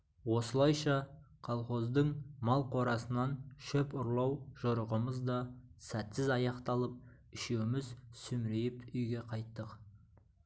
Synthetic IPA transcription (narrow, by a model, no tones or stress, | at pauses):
wo̞səlˠɑjʃɑqʰɑlˠχo̞zd̪əɴmɑlˠqʰo̞ɾɑsənɑnʃɵpʊɾlˠɑwʒ̥oɾəʁəməzd̪ɑsæt̪sɪzɑjɑqt̪ɑlˠəp̚ | ɪʃewmɪzsʏmɾejɪpʏjɡʲe̞qʰɑjt̪ːəq